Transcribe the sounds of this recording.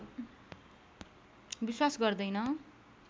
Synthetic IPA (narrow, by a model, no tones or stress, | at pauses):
biswasɡʌrd̪ʌjnʌ